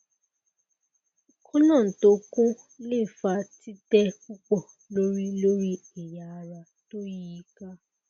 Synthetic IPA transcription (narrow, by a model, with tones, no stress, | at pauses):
kɔ˦lɔ̃˦˨to˨˧˦kũ˦ | le˦˨fa˧ti˦tɛ˦k͡pu˦k͡pɔ˦˨ | lo˦ɾi˦lo˦ɾi˦ | e˨ja˨˦˧ɾa˧ | to˦ji˦i˦ka˦